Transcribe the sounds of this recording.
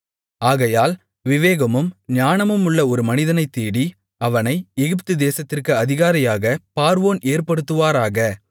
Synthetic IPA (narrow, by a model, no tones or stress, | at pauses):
aːɣɐjaːl | ʋɪʋeːɣɐmɯmɲaːnɐmɯmʊɭːɐɔɾɯmɐnɪðɐnɐɪt̪ːeːɽi | ɐʋɐnɐɪɛɣɪp̬t̪ɯd̪eːsɐt̪ːɪrkɯɐðɪɣaːɾɐjaːɣɐpaːɾʋoːneːrpɐɽɯt̪ːɯʋaːɾaːɣɐ